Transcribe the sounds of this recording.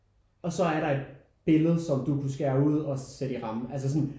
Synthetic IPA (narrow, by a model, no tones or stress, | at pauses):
ɒ̽sɒ̽æɐɾɑ̈e̝d̥̚ | b̥e̝ləð̞̩ˠsɒ̽md̥ukʰusɡ̥æɐuð̞̰ˠɒ̽sed̥iʁɑ̈m̩æls̬əs̬ɒn